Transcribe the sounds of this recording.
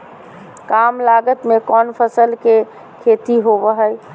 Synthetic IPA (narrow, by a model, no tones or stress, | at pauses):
kamlaɡət̪mekɔnpʰəsəlke | kʰet̪iɦobəɦəj